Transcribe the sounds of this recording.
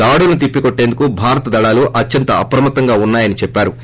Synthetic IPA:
aːɽulnut̪̬ipːikoʈːe̞ːnd̪ukubʱaːɾɐt̪ɐd̪ɐɭaːluʔɐt͡ʃːjɐnt̪ɐɐpɾɐmɐt̪ːɐŋɡaːunːaːjɐnit͡ʃɛpːaːɾu

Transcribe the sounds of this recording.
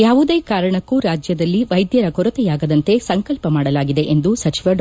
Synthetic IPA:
jaːʋud̪e̞ːkaːɾɐɳɐkːuɾaːd͡ʒjɐd̪ɐlːiʋɐjd̪jɐɾɐkɔɾɐt̪ɛjaːɡɐd̪ɐnt̪e̞sɐŋkɐlpɐmaːɽɐlaːɡid̪e̞ʔend̪usɐt͡ʃiʋɐɖ

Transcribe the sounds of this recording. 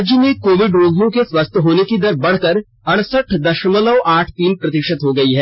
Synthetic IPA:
d͡ʒjəmẽkoːʋɪɖɾoːzlõkeswɐst̪ʰɦoːnekid̪ɐɾbɐɽ̤kɐɾ | ɐɽ̃səʈʰd̪ɐʃmələʋʔaːʈʰt̪iːnpɾɐt̪ɪʃət̪ɦoɡɐiɦɛː

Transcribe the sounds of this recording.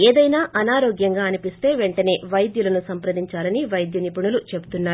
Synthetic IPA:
eːd̪ɐjnaːʔɐnaːɾoːɡjɐŋɡaːɐnipist̪e̞ːʋe̞ɳʈɐne̞ːʋɐjd̪julɐnusɐmpɾɐd̪iɲt͡ʃaːlɐniʋɐjd̪jɐnipuɳulut͡ʃe̞but̪unːaː

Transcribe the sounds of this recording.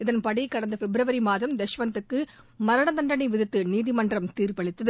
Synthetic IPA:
ɪðɐnpɐɽikːɐɽɐnd̪ɐfɛbɾɐʋɐɾimaːðɐmd̪ɛʃʋɐnt̪ɯkːɯ | mɐɾɐɽɐnt̪ɐɳɖɐnɐɪʋɪðɯt̪ːɯniːðɪmɐndrɐmt̪iːrpɐɭɪt̪ːɐðɯ

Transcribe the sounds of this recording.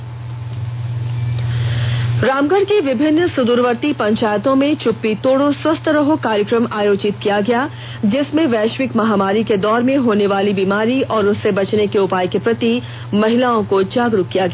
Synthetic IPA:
ɾaːmɡəɾkeʋɪbʱɪnːsʊd̪uːɾʋəɾt̪ipɐ̃ɲt͡ʃaːjət̪õmẽt͡ʃʊpːit̪oːɽoswɐst̪ʰɾɐɦokaːɾjəkɾəmaːjoːd͡ʒɪt̪kijaɡɐjaː | d͡ʒɪsmẽʋɛːʃwɪkmɐɦaːmaːɾiked̪ɔːɾmẽɦoːneʋaːlibiːmaːɾiʔɔːɾʊsːebɐt͡ʃnekeʊpaːjkepɾɐt̪i | mɐɦɪlaːõkod͡ʒaːɡɾʊkːijaɡɐja

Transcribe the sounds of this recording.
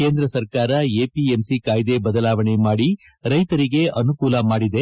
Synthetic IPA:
keːnd̪ɾɐsɐɾkaːɾɐeːpiemsikaːjd̪e̞bɐd̪ɐlaːʋɐɳemaːɽi | ɾɐjt̪ɐɾiɡe̞ʔɐnukuːlɐmaːɽid̪e̞

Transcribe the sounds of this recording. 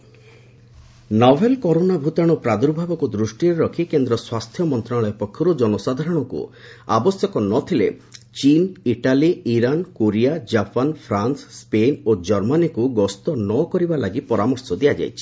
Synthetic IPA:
nɔbʱelkɔɾonabʱut̪aɽ̃ɔpɾad̪uɾbʱabɔkud̪ɾusʈiɾeɾɔkʰikend̪ɾɔswast̪ʰjɔmɔnt̪ɾaɭɔjɔpɔkʰːjɔɾud͡ʒɔnɔsad̪ʱaɾɔɽ̃ɔkṵ | a̰bɔsjɔkɔnɔt̪ʰilḛt͡ʃiniʈaliiɾankoɾijad͡ʒapanpʰɾansːpenod͡ʒɔɾmanikuɡɔst̪ɔnɔkɔɾibalaɡipɔɾamɔɾsɔd̪iad͡ʒa̰jt͡ʃʰi̥

